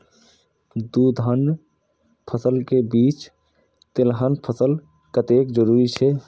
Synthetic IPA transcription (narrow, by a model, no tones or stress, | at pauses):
d̪ud̪ʱən | pʰəsəlkebiːt͡ʃ | t̪elɦənpʰəsəl | kət̪ekd͡ʒəɾuɾit͡ʃʰɛ